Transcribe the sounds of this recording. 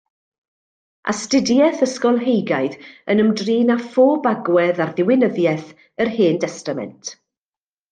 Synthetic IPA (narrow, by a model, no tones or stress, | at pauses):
ʔa̰stɪdjɛθəskɔlˠɦejɡajðənəmdriːnafoːbaɡwɛðarðɪwɪnəðjɛθ | ərheːndɛstamɛ̰ntʰ